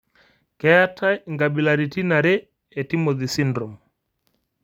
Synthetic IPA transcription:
kɛ˨a˦tʰa˦ŋɡa˨ɓi˨la˨ɾi˨ti˦na˨ɾɛː˦˨ | ti˦mɔ˨ði˨si˦ndɾɔ˨m

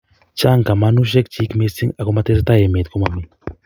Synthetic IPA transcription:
t͡ʃa˦ŋka˨ma˦nu˦ʃ̬e˦kt͡ʃiː˦kme˦si˦ŋa˨ko˦ma˦t̪e˦s̬a˦t̪a˦je˨me˨t̪ko˦ma˨mi˨

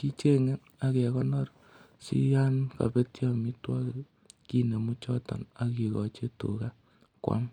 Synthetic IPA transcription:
ki˦t͡ʃe˦ŋe˦ | a˦kɛ˨kɔ˦nɔ˦r | sḭ˦ja˦nka̰˨pe˦tja˦mi˦twɔ˦k | ki˦ne˨mu˦t͡ʃɔ˦tɔ̰˨na˨ki˨kɔ˨t͡ʃe˦tṵ˨ka˦ | kwa̰˦m

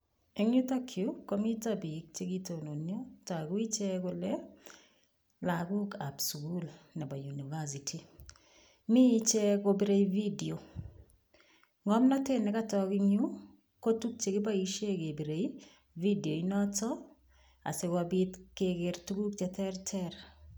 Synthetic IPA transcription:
eŋju˦takʰjukomi˦tabi˨k̚t͡ʃeɡito˨no˨njotakwi˦t͡ʃɛkʊlɛ | laɡu˦kapskulnɛ˨ba˨junivas̬itʰi˨ | mi˦t͡ʃɛkobi˦ɾe˦ividio˨ | ŋɔmna˦tɪ˦nɪ˨ka˦tɔkɪŋu˦ | ko˦tu˦k̚t͡ʃe˨kɪ˦ba˦i˦ʃe˦ke˨bi˨ɾe˨i | vi˦di˨o˨inɔtɔ˦ | a̰˨se˨kabitkekɪɾtuɡu˦kt͡ʃɛtɛ˦rtʰɛr

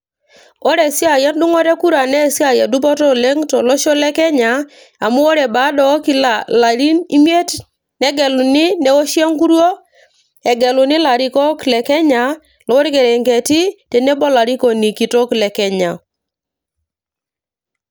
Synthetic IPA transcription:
ɔ˦ɾɛ˨si˦a˨ja˦n˦du˦ŋɔ˦ɾe˦ku˦ɾa˨nɛ˦˨si˦a˦˨ja˨du˦bɔ˦tɔ˦le˦ŋtɔ˨lɔ˦ʃɔ˦lɛ˦kɛ˦ɲa˨˦ | a˨mu˦ɔ˦ɾɛ˨ba˨˦dɔ˨˦ki˦la˨la˨ɾi˦ni˦m˦e˦t | nɛ˦ɡɛ˨lu˨ni˦nɛ˨˦wɔ˦ʃi˦a˦ŋku˦ɾwo˦ | ɛ˨ɡɛ˨lu˨ni˦la˨ɾi˦kɔ˦klɛ˨kɛ˦ɲa˨˦ | lɔ˨˦wɔ˦ɾke˨ɾe˨ŋke˨ti˦tɛ˨ne˦bɔ˦la˨ɾi˦kɔ˨ni˨ki˨tɔ˦klɛ˨kɛ˦ɲa˨

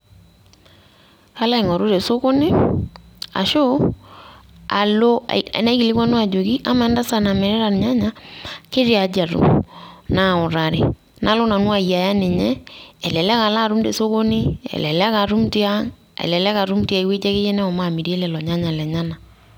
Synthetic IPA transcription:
ka˦la˦ɪ˨ŋɔ˨ɾo˦ɾe˨so˦ko˦nɪ˦ | a̰˨ʃo˦ | a̰˨lo̰˦˨na˦i˦ki˨lɪ˦kwa˦nwa˨d͡ʒo˨ki˦ʔa˦ma˨ɛ˦nda˦sa˦˨na˨mɛ˨ɾɛ˦ɾa˨nɲa˦ɲa˦kɪ˦ɾja˨d͡ʒa˨ɾṵ˨mna˦˨ʊ˨ɾa˨ɾḛ˨ | na˦lo˦na˨nwa˦˨ja˨ja˦nɪ˨ɲɛ˦ɛ˨lɛ˨lɛ˦ka˨la˦˨ɾu˦mde˨so˦ko˦nɪ˦ɛ̰˨lɛ˨lɛ˦ka˨ɾu˦mti˦a˦ | ɛ̰˨lɛ˨lɛ˦ka˨ɾu˦mti˦a˨i˨we˦d͡ʒɛ˦kɪ˦jɛ˦nɛ˦ɔ˨ma˦˨mi˨ɾe˦lɛ˨lɔ˨ɲa˦ɲa˨lɛ˨ɲa˦na˨

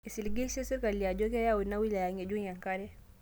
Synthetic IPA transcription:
i˨si˨lɡe˦si˦si˦ɾka˨li˨a˨d͡ʒo˦ke˦ja˦wu˨dna˦wi˦la˨ja˨ŋe˨d͡ʒu˦ɲa˨ŋka˦ɾɛ˦

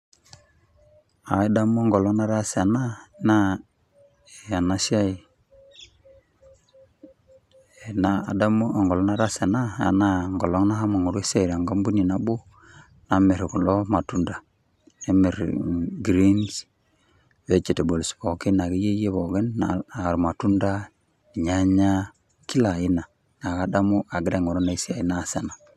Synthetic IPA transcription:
a˨i˦da˦mo˦ŋɡo˨lo˦ŋna˦ɾa˦sa˨na˦na˦˨ | a˨na˦si˦a˦i˨ | e˨na˦a̰˨da˦m˦˨ŋɡɔ˨lɔ˦na˦ɾa˦sa˨na˦a̰˨na˦˨ŋɡɔ˨lo˦ŋna˦ha˦mo˨ŋu˨ɾe˦se˨ɾa˨ŋɡa˦mbu˦ni˨na˨bu˦ | na˨me˨ɾe˨ku˨lɔ˦ma˨tu˦nda˨ | e˦me˨ɾ̰ɡɾi˦ns | βe˦t͡ʃe˨te˨bo˨li˨sβɔ˨ke˦na˨ɡe˦je˦je˦βɔ˨ɣe˦nːaa˨ɾu˨ma˨tu˦nda˦ | i˨ɲa˦ɲa˦ | ki˦la˨i˦na˨ | na˨ɣa˦da˦mu˦ʔa˨ɡi˦ɾe˦˨ŋɔ˨ɾo˦na˦i˦si˦a˨i˦na˦˨se˨na˨

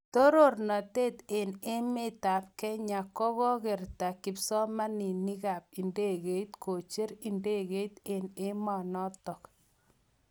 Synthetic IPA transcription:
to˦ɾo˦˨rnɔ˨te˦te˨ne˦me˦ta˨p̚kɛ˦ɲa˨kɔ˦ɣɔ˦ke˨rta˨kɪ˨psɔ˦ma˦ni˨ni˦ka˨p̚i˨nde˦ɡe˨i˦tkʰo˨t͡ʃe˦ɾi˨nde˦ɣe˦i˦t̪e˨ne˦mɔ˨nɔ˦tɔ˨k

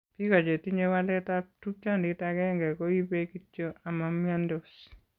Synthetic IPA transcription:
pi˦ka˨t͡ʃe˨ti˦ɲe˦wa˦lɛ˦tatu˦t͡ʃa˦˨ndɪtakɛ˦ŋɡɛ˨ko˦i˦pe˦ki˦t͡ʃo˦a˨mamjandɔs

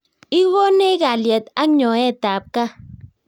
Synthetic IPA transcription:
i˦ɣo˦ne˦ɣa˨lje˨ta˦ɲɔ˨e˦˨ta˨p̚ka˦

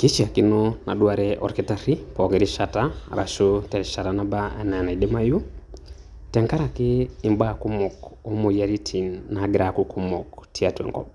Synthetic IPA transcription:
ki˦t͡ʃia˨kinɔna˨ɗwaɾɛʔɔ̰˨ɾkɛtaɾi˦pɔ˨ɡɛɾiʃata̰ɾʔa̰˨ʃotɛɾi˨ʃa˨ɾanabaɛ̰˦na˨na˨i˨dɛ˦ma˦ju˦ | tɛŋka˦ɾa˨kɪː˦˨mbaku˦mɔ˨ko˦mo˨ja˦ɾi˦tʰi˨nːaɡɪɾakukʰu˦mɔktʰi˦a˨tɛ̰ŋkɔ̰˨b

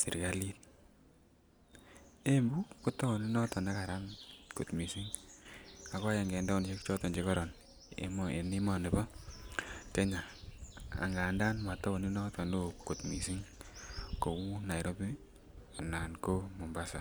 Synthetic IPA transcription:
sḭ˨ɾka˦li˦t̚ | e˦mbu˦ko˦tɔ˦ɔ˨ni˦nɔ˦tɔ˨na˦ka˨ɾa˦nko˨tmi˨si˦ŋ | a˨kɔ˦jɛ˨ŋɡɛ˨ndɔ˦˨nt͡ʃe˦kt͡ʃɔ˦tɔ˨nd͡ʒe˦kɔ˦ɾɔ˨n | ḛmḛ˨ni˦mɔ˨ne˨bɔ˦ | kɛ˦ɲa˨ | a̰˨ŋɡa˨nda˦nma˨tɔ˦o˨ni˦nɔ˦tɔ˨ndo˦ko˨tmi˨si˦ŋ | ko˨wu˦na˨i˨ɾo˦pi˦ | a˨na˨nko˦mɔ˨mba˦sa˨

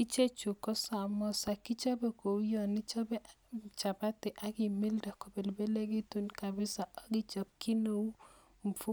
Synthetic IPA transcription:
i˦t͡ʃe˦t͡ʃu˨kɔ˦sa˨mɔ˦sa˨kɪ˦t͡ʃɔ˦be˨ko˨u˦jɔ˨nɪ˦t͡ʃɔ˦bɛ˦ | t͡ʃa˨ba˦tɪ˨ʔa˨˦ɡɪ˨mi˦lda˨ko˨be˨lbe˦le˦ɡi˦tu˦nka˨bɪ˦sa˨ɔ˦ɡɪ˦t͡ʃɔ˨p̚kɪ˦no˦u˦ | m˨fu˦

